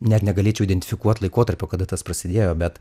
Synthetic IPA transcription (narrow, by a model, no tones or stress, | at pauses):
nʲɛt̪nʲɛɡɐlʲeːt͡ʃʲɛʊid̪ʲɛnʲt̪ʲɪfʲɪkuɔt̪lˠɐɪkoːt̪ɐɾʲpʲoːkɐd̪ɐt̪ɐspɾɐsʲɪd̪ʲeːjoːbʲɛt̪